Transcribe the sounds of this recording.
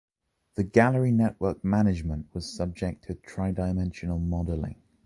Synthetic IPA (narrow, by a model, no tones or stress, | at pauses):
ðəɡaləɹinɛʔwɜˑk̚manɪd͡ʒmə̃nʔwɒz̥sʌb̚d͡ʒɛk̚tʰətʰɹ̥aɪdaɪmɛ̃nʃənəlˠmɒdəlɪ̰̃ŋ